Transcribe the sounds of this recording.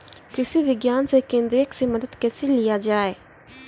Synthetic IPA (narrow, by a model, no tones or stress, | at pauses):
kɪsiʋɪɡjaːnsekẽːnd̪ɾeksemɐd̪əd̪kɛːselɪjad͡ʒaːeː